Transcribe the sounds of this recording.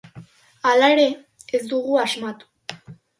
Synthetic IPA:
alaeɾe̞ | ezd̪uɣuazmat̪u̥

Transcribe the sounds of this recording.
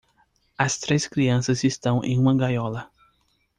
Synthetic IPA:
ɐst̪ɾeskɾiɐ̃sɐzist̪ɐ̃w̃ʔḛ̃j̃ũmɐɡajɔlɐ

